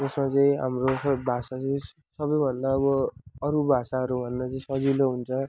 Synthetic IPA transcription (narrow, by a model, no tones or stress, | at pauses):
d͡zʌsmat͡sʌĩɦa̰mrosʌbʱasat͡sʌĩ | sʌbʌjbʱʌnd̪aʌβʌːɾubʱasaɦʌɾubʱʌnd̪at͡sʌĩsʌd͡ziloɦunt͡sʰʌ